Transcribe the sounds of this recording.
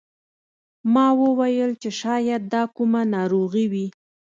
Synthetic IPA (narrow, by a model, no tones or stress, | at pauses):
mɑwəwajəlt͡ʃeʃɑjad̪̚d̪ɑkumanɑɾoɣiwi